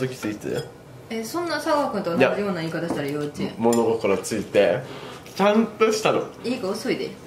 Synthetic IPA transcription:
zɨkʲi̥t͡sɨit̪ḛ | esõnːasaaːkɯ̟nt̪oajaɾɯjo̞ːnaiːkat̪aɕi̥t̪aɾajot͡ɕːemo̞noɡokaɾat͡sɨit̪e̞ | t͡ɕãnt̪oɕi̥t̪ano̰iːkaosoid̪e

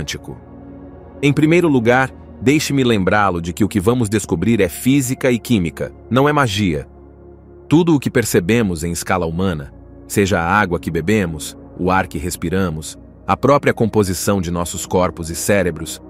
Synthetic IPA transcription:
t͡ʃikʊ̰ | ẽj̃pɾimejɾʊluɡaɾ | d̪ejʃɪmɪlẽmbɾalʊd͡ʒɪkɪʊkɪvɐ̃mʊzd̪eskubɾiɾɛfizikɐɪkĩmikɐ̰ | nɐ̃w̃ɛmaʒiɐ̰ | t̪ud̪ʊːkɪpeɾsebẽmʊzẽj̃ɪskalɐumɐ̃nɐ | seʒɐːaɡwɐkɪbebẽmʊs | ʊaɾkɪɦespiɾɐ̃mʊs | ɐpɾɔpɾiɐkõpozisɐ̃w̃d͡ʒɪnɔsʊskɔɾpʊzɪsɛɾebɾʊs

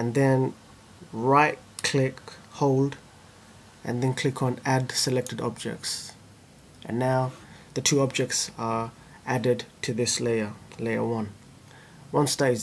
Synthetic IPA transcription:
ə̃nðɨ̃n | ɹaɪt̚ | kʰl̥ɪkhoʊlˠd | ʔɨ̰̃nðɨ̃nkʰl̥ɪkʰə̃nædsəlɛk̚tɨdɔ̰b̚d͡ʒɛ̰k̚ts | ʔɨ̰̃nːaʊðətʰʉɔb̚d͡ʒɛk̚tsə | ʔædɪdtʰɨðɪsleɪəleɪə̰wʌ̃n | wʌ̃nsteɪ

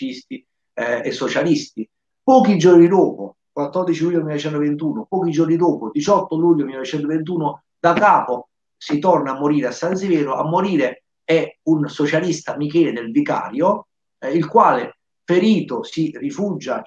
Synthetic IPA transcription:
ist̪i | esːot͡ʃalist̪i | pɔːkid͡ʒornid̪oːpo | kwat̪ːɔrd̪it͡ʃiluːʎːomilːnoet͡ʃɛnt̪ovent̪̬uːnopɔːkid͡ʒornid̪oːpod̪it͡ʃɔt̪ːoluːʎːomilːanovet͡ʃɛnt̪ovent̪̬uːnʊ | d̪akaːpo | sit̪ɔrnaːmːoɾiːɾeasːanzivɛːɾʊʔa̰mːoɾiːɾe | ɛunsot͡ʃalist̪amikɛːlɪd̪ɪlvika̰ːɾjo | ilkwaːle | feɾiːt̪osirifuːd͡ʒa

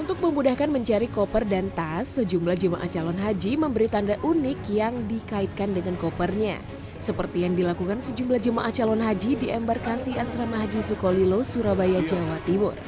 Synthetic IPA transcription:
ʔunt̪ʊk̚məmudahkanməɲt͡ʃaɾikɔpərdant̪asəd͡ʒumblahd͡ʒəma̰ʔaht͡ʃalɔnɦad͡ʒiməmbəɾit̪andaʔunɪkjaŋdikaɪt̪̚kandəŋankɔpərɲa̰ | səpərt̪ijaŋdilakukansəd͡ʒumblahd͡ʒəmaʔaht͡ʃalɔnɦad͡ʒidiʔɛmbarkasiasɾamaɦd͡ʒisukolilosuɾabajad͡ʒawat̪imʊ̰r

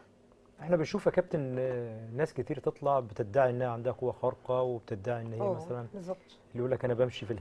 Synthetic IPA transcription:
ʔeħnæbɪnʃuːfækæb̚t̪ennːæːskæt̪iːɾt̪et̪ˤlɑʕbet̪et̪̚d̪ːaʕiʔenːæhæʕand̪æhækowːæxɑɾˤqɑweb̚t̪ed̪aʕiʔenːɪjːæmæsælænzːɑt̪ˤ | lːiʔuːlːækʔæːnæbæmʃifil

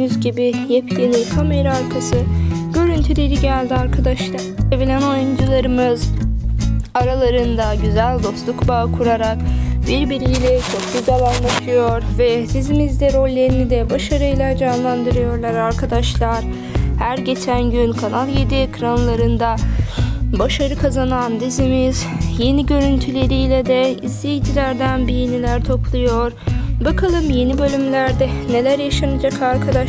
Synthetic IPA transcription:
yzɟibijepcelʲikʰame̞ɾaaɾkʰasɯɟ̥ø̞ɾynt̪ʰylʲeɾiɟælʲd̪iaɾkʰad̪aʃlˠa | evilʲæno̞jund͡ʒulˠaɾɯmɯz | aɾalˠaɾɯnd̪aɟyzælʲd̪o̞slˠukbakʰuɾaɾak̚biɾbiɾilʲɛt͡ʃʰo̞k̚ɟyzælʲanlˠat̪ʰɯjo̞ɾvɛb̪izimizd̪ɛɾo̞lʲːe̞ɾinid̪ɛbaʃaɾɯjlˠaɾd͡ʒanlˠand̪ɯɾɯjo̞ɾlˠaɾaɾkʰad̪aʃlˠaɾ | hæɾɟe̞t͡ʃʰænɟynkʰanalˠjed̪iekʰɾanlˠaɾɯnd̪a | baʃaɾɯkʰazanand̪izimiz̥je̞niɟø̞ɾynt̪ʰylʲe̞ɾijlʲɛd̪ɛizːejit̪ʰilʲæɾd̪ænbijenilʲæɾt̪ʰo̞plˠujo̞ɾbakʰalˠɯmje̞nibø̞lʲymlʲæɾd̪ɛne̞lʲæɾjaʃanad͡ʒakʰaɾkʰad̪aʃ

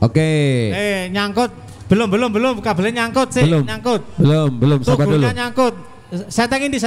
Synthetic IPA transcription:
ʔokeeɲaŋkʊt̪̚ | b̥ə̤lʊmbəlʊmbəlʊmkab̥əleɲaŋkʊt̪̚sɪbəlʊmɲaŋkʊt̪̚bəlombəlʊmst̪aɡbauəlɲaɲaŋkʊt̪̚ | sɛt̪ɛŋind̪is

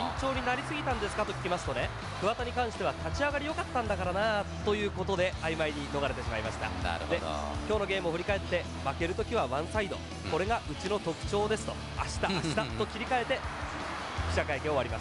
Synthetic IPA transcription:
t͡ɕo̞ːɲ̟inaɾʲisɨɡʲit̪ãnd̪e̞sɨ̥kat̪o̞kʲi̥kʲimasɨ̥t̪o̞ne̞ | kɯ̟βat̪aɲ̟ikãɰ̃ɕi̥t̪e̞βat̪at͡ɕiaɡaɾʲijo̞kat̪ːãnd̪akaɾanat̪o̞jɯ̟ːko̞t̪o̞d̪e̞ajimaiɲ̟ino̞ɡaɾe̞t̪eɕimaimaɕi̥t̪a̰d̪e̞̰kʲo̞ːno̞ɡe̞ːmɯoɸɯ̟ɾʲikae̞t̪ːe̞ | make̞ɾɯ̟t̪o̞kʲiβaβãɰ̃said̪o̞̰ | ko̞ɾe̞ɡaʔɯ̟t͡ɕino̞t̪o̞kɯ̟̥t͡ɕo̞ːd̪e̞sɨ̥t̪o̞̰ | a̰ɕi̥t̪aaɕi̥t̪at̪ːo̞kʲiɾʲikae̞t̪e̞ | kʲi̥ɕakaike̞o̞βaɾʲima̰sɨ̥

